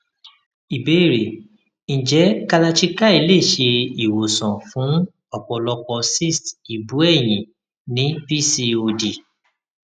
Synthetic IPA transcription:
i˨be˨˦i˦˨ɾe˨ | n̩˨d͡ʒɛ˨˦ka˧la˧t͡ʃi˦ka˦i˧˦le˦˨ʃe˧i˨wo˨sɔ̃˨fũ˨˦ | ɔ˦˨k͡pɔ˧lɔ˧kɔ˧si˦˨sti˨bu˨˦ɛ˦˨j̃ĩ˨ | nĩ˨˦pi˦˨si˧o˧di˨

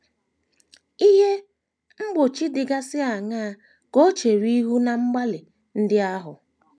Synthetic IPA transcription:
i˦ɦe˦ | ŋ͡m̩˦ɡ͡bo˨t͡ʃi˦dɪ˨ɡa˦sɪ˦a˨ŋaː˦˨ | ko˦t͡ʃe˨ɾi˦ɦu˦na˨ŋ͡m̩˦ɡ͡ba˦lɪ˨ | n̩˦dɪ˦a˦ɦʊ˨

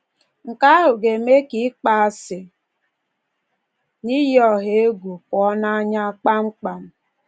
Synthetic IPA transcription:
ŋ̩˨ka˦a˦ɦʊ˨ɡe˨me˦ki˨˦k͡pa˨a˨sɪ˨ | ni˦jɔ˨ɦe˨˦e˦ɡu˨pɔ˨˦na˦ɲa˦k͡pa˦ŋ͡m̩˦k͡pa˨m̩˦

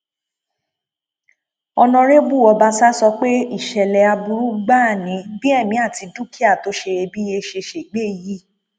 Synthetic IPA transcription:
ɔ˧nɔ̃˧ɾe˦bu˦˨ɔ˨˧ba˦sa˦sɔ˧k͡pe˦i˦˨ʃɛ˨lɛ˨a˧bu˧ɾu˦ɡ͡ba˦˨nĩ˨˦bi˦ɛ˦˨mĩ˧˦a˦˨ti˧du˦ki˦a˦˨to˦ʃe˧e˧bi˦je˧ʃe˧ʃe˨ɡ͡be˦˨ji˦

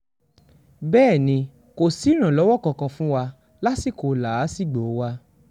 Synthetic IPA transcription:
bɛː˦˨nĩ˧ | ko˨si˨˦ɾ̃ã˨lɔ˨˦wɔ˦˨kã˧kã˧fũ˦wa˧ | la˦si˦˨ko˨la˨˦si˦˨ɡ͡bo˨˦wa˧

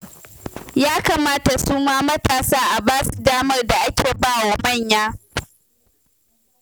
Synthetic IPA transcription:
jaː˦kaː˨maː˦ta˨suː˦maː˦mɐ˦taː˨saː˦ʔa˨baː˦su˨daː˦mɐ˦rda˨ʔa˦kʲeː˨baː˦wa˨mɐ˦˨ɲjaː˦

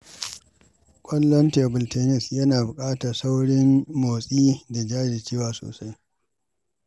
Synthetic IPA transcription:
kʷʼɐ˦lːɔ˦nteː˨bʊ˨lteː˨nɪ˦˨sjɐ˦naː˨bʊ˨kʼaː˦ta˨sa˦wɽɪ˦mːoː˨sʼiː˦da˨d͡ʒaː˦d͡ʒeː˨t͡ʃeː˦waː˨so̰ː˨sa˦j

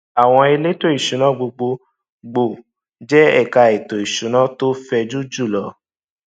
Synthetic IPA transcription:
a˨w̃ɔ̃˧e˧le˦to˦i˦˨ʃũ˨˦nã˨˦ɡ͡bo˧ɡ͡bo˧ | ɡ͡bo˨ | d͡ʒɛ˦ɛ˦˨ka˨˧e˨to˨i˨ʃũ˨˦nã˦to˦fɛ˧d͡ʒu˦d͡ʒu˦˨lɔ˨˦

